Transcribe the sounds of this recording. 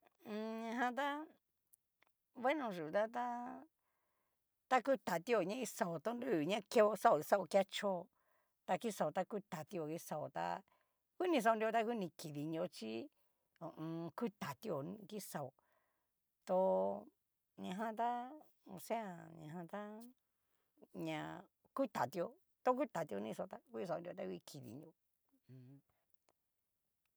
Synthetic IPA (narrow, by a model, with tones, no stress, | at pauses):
ɲã˧ɦã˧t̪̬a˦ | βe˦nõ˧˨ʐu˨˧t̪a˦t̪a˦ | t̪a˦ku˦t̪a˨t̪i˦o˨ɲã˦i˧sa˧o˨t̪o˧ndu˦˨ɲã˦ke˦o˧sa˦o˨i˧sa˦o˧ka˦t͡ʃo˦˧ | t̪a˧ki˦sa˧˨o˨˧t̪a˦ku˦t̪a˨t̪i˧o˧˨ki˦˧sa˨o̰˨t̪a̰˧ | ku˦nĩ˧s̬a˧o˧nd̪i˧o˧t̪a˦ku˦nĩ˧ki˨ði˧ɲ˧õ˧t͡ʃi˦ | o˨ʔũ˧ku˦t̪a˨t̪i˧o˧˨n˧ki˦sa˧o˧ | t̪o˧ | ɲã˧ɦã˧t̪a˦ | o̰˧sẽ˦a˧˨ɲã̰˧ɦã˧t̪a˦ | ɲã˧ | ku˦t̪a˨t̪i˧o˧ | t̪o˦k̬u˦t̪a˨t̪i˧o˧nĩ˧sa˧o˧t̪a˦ku˦i˧s̬a˧˨u˧d̪o˧t̪a˦ku˧kʰi˨ðḭ˧ɲ˧õ˧˨˧